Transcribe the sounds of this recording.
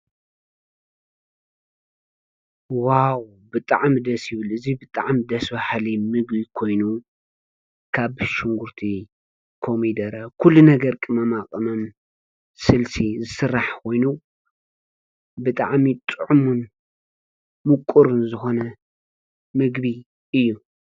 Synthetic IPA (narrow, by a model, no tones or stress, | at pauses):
waw | bɨt̪ʼaʕmd̪ɐsjɪβɨlɨzibɨt̪ʼaʕmd̪ɐsbahlimɨɡbikʰo̞jnu | kʰaβʃɪŋɡuɾt̪ʰi | kʰomid̪ɐɾɐkʰulːunɐɡɐɾkʼɨmɐmakʼɨmom | sɨlsizɨsɨrːaħkʰo̞jnu | bɨt̪ʼaʕmit̪ʼɨʕumun | mɨkʼːuɾɨnzɨxo̞nɐ | mɨɡbi | ɨjːu